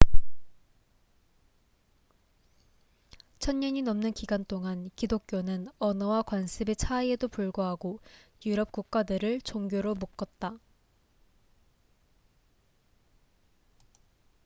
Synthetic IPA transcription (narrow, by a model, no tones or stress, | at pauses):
t͡ɕʰʌnɲʌɲinʌmnɯnkiɡant͈oŋankidok̚k͈jonɯnʌnʌwakwanɕʰibe̞t͡ɕʰaie̞dopuɭɡoɦaɡojuɾʌp̚k͈uk̚k͈adɯɾɯɭt͡ɕoŋɡjoɾomuk͈ʌt̚t͈a